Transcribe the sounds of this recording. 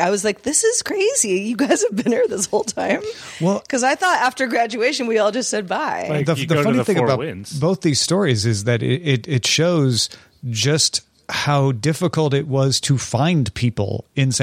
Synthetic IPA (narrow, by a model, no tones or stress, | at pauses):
aɪwʌzlaɪk̚ðɪsɨz̥kʰɹ̥eɪzijɨɡaɪz̥ɨvbɨ̃niɹðɪshoʊlˠtʰãɪ̃mwɛlˠkʰʌzaɪθɔɾæftə˞ɡɹæd͡ʒʉeɪʃɨ̃nwiɔlˠd͡ʒʌstsɛd̚baɪðəðɨfʌñiθɪ̃ŋəbaʊɪ̃nz̥b̥oʊθðiz̥stɔɹizɪzðɨɾɪ̰ɾɪɾɪtʃoʊz̥ | d͡ʒʌst̚ | haʊdɪfəkl̩ˠtɪt̚wʌz̥tʰɨfãɪ̃npʰipl̩ˠɨ̃ns